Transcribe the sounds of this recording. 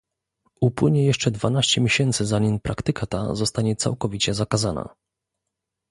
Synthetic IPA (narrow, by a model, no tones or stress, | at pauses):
upwɘɲɛjɛʂt͡ʂɛd̪vanaɕt͡ɕɛmʲjeɕɛnt̪sɘzaɲinpɾʔakt̪ɘkat̪a̰zɔst̪aɲɛt̪sa̰wkɔvʲit͡ɕɛzakazana̰